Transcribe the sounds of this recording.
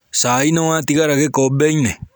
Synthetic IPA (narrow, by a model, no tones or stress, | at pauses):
saːinawatiɣaɾaɣekɔbɛine